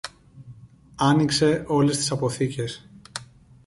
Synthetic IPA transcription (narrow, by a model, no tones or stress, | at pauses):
ɐnikse̞ʔo̞le̞st̪i̥sɐpo̞θice̞s